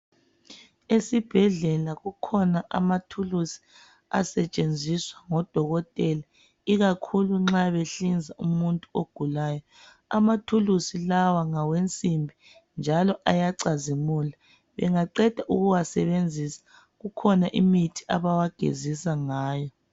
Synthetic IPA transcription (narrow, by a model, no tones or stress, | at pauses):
esib̥ʱɛɮɛlaɣukʰɔnaʔa̰matʰulusi̥ | a̰sɛt͡ʃʼend͡zʱiswaŋɔd̥ʱɔɣɔtʼɛla | iɣakʰuluŋ͡ǁaβeɬind͡zʱaumuntʼuoɡ̥ʱulajɔ | a̰matʰulusilawaŋawent͡sʼimbʱi | nd͡ʒʱalɔʔajaǀazimula | βɛŋaǃɛd̥ʱaʔuɣuwasɛβend͡zʱisḁ | ɣukʰɔnaʔḭmitʰi̥ʔaβawaɡ̥ʱḛzisaŋaːjɔ